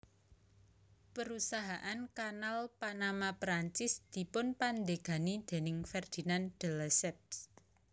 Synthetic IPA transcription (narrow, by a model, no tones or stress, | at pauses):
pəɾusaɦaʔankanalpanamapɾaɲt͡ʃɪsd̪̥i̤pʊnpand̪eɡ̥a̤nid̪̥e̤nɪŋfɛrd̪̥i̤nand̪̥ə̤lasɛp̚s